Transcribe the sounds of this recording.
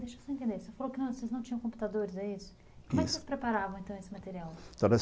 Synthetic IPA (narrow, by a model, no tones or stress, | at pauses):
d̪eʃesɔ̃ẽnt̪ẽnd̪eɾsefalowkɪnɐ̃w̃oseznɐ̃t͡ʃĩɲɐ̃w̃kõpu̥t̪ad̪oɾɪzɛisʊ̥ | kõmɛkksespɾepaɾavɐ̃w̃ẽt̪ɐ̃w̃esɪmat̪eɾiawt̪ɐ̃nɛ